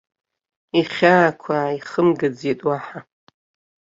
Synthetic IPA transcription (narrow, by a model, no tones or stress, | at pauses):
iχʲaːkʷʰaiχəmɡad͡zetʼwaħa